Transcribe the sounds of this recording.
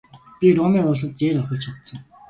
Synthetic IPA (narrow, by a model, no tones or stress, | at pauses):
pʲirʊmiːʊɮs̬ə̆t̪̚t͡ɕeːɾarχə̆ɮt͡ɕʰat̪sə̆ŋ